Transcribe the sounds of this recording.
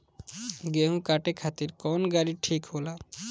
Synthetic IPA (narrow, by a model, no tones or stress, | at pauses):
ɡeɦũkaʈekʰat̪iɾkɔnɡaɾiʈʰikɦola